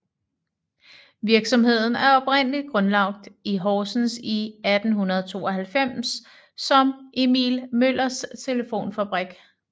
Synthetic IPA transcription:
ʋiɐɡ̥sɒ̽mhe̝ð̞̰ˠn̩æɐɒ̽b̥ʁen̰əlid̥̚ɡ̥ʁɔ̽nlɑ̈ɡ̥̚d̥iɦɒːsn̩siæd̥n̩ɦunɐð̞ˠt͡sʰo̝̰ːɒɦælfem̰sː | ɒ̽mʔemḭːlmøl̰ɐst͡sʰe̝ləfo̝̰ːnfæb̥ʁaɡ̥

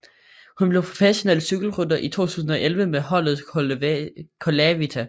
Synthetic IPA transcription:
hunb̥le̝ʊpʰʁo̝fæɕo̝nelsyɡ̥l̩ʁyd̥ɐʔit͡sʰo̝̰ːt͡sʰṵːs̬n̩ɒ̽ʔelʋəmeɦɒ̽l̰ð̩ˠ | kʰolæʋit͡sʰæ

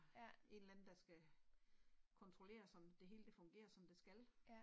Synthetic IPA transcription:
e̝nlæn̩ˠd̥ɑ̈sɡ̥æ | kʰɒ̽nt͡sʰʁo̝le̝̰ːɐsɒ̽md̥e̝ɦe̝ːləd̥efɔ̽ŋɡ̥e̝̰ːɐsɒ̽md̥e̝sɡ̥æl

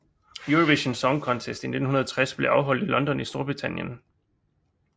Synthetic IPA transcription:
juʁoʋiɕənsɒŋkʰɒ̽nt͡sʰesd̥ine̝d̥n̩hunɐðˠɐt͡sʰʁasb̥le̝ɑ̈ʊɦɒ̽l̰d̥ilɒ̽nd̥ɒ̽nisd̥o̝ɐb̥ʁit͡sʰæn̰jən

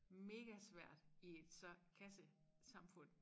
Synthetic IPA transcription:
me̝ːɡ̥æsʋæɐ̰d̥ied̥skʰæsəsɑ̈mfɔ̽n̰

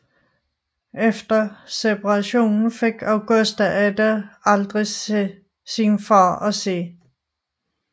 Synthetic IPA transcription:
efd̥ɐsepʰɑʁɑ̈ɕo̝̰ːnn̩fe̝ɡ̥æʊɡ̥ɔsd̥æʔæd̥æɑ̈ld̥ʁi | sinfɑ̰ːɒse̝̰ː

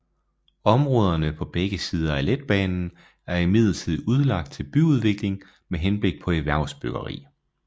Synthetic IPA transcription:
ɒ̽mʁɔːð̞ˠɐnəpʰɒ̽b̥eɡ̥əsiːð̞ˠɐæled̥̚b̥ɛːnn̩ | æɐimið̞̰ˠɐt͡sʰið̞̰ˠuð̞ˠlɑ̈ɡ̥̚d̥̚t͡sʰe̝lb̥yuð̞ˠʋe̝ɡ̥le̝ŋ | meɦenb̥le̝ɡ̥̚pʰɒ̽eʋæɐ̰sb̥øɡ̥ɐʁḭː

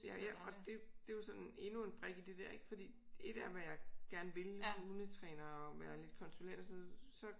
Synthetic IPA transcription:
jæjæɒ̽d̥e̝d̥e̝josɒ̽ne̝nue̝nb̥ʁɛɡ̥id̥e̝d̥æɐ̰e̝ɡ̥fɒ̽d̥ḭːe̝d̥æɐʋæjɑ̈ɪɡ̥æɐnʋe̝luðˠnət͡sʰʁɛːnɐɒʋæːɐle̝d̥kʰɒ̽nsulen̰d̥ɒsnoð̩ˠsɒ̽

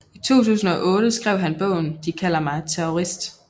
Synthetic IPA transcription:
it͡sʰo̝̰ːt͡sʰṵːs̬n̩ɒʔɔ̽ːɾ̥əsɡ̥ʁɛʊ̰ɦænb̥ɔ̽ʊ̰n̩d̥ikʰæl̰ɐmɑ̈ɪt͡sʰeoʁisd̥

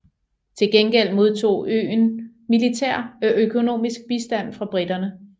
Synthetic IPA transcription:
t͡sʰe̝lɡ̥enɡ̥el̰mo̝ð̞ˠt͡sʰo̝̰ːø̰ːn | milit͡sʰeɐ̰ɒʔøkʰo̝no̝̰ːmisɡ̥̚b̥isd̥æn̰fʁɑ̈b̥ʁid̥ɐnə

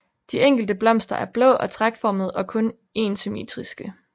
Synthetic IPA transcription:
d̥ieŋ̰ɡ̥l̩d̥əb̥lɒ̽m̰sd̥ɐʔæɐb̥lɔ̰̽ːʔɒ̽t͡sʰʁaɡ̥fɒːməð̞̩ˠɒ̽kʰɔ̽n | e̝ːnsymḭt͡sʰʁisɡ̥ə

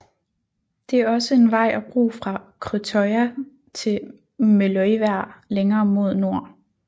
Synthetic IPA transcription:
d̥e̝æɐɒ̽səe̝nʋɑ̈ɪ̰ʔæb̥ʁṵːfʁɑ̈kʰʁit͡sʰɒɪæ | t͡sʰe̝ | melɔɪʋæɐ̰leŋɐːmo̝ð̞̰ˠno̝ɐ̰

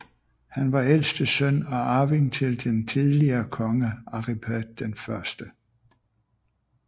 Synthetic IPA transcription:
hænʋɑ̈el̰sd̥əsœnɒ̽ɑ̈ːʋiŋt͡sʰe̝ld̥ent͡sʰiðˠliɐːkʰɒ̽ŋəɑ̈ʁipʰæd̥d̥enfɶɐsd̥ə

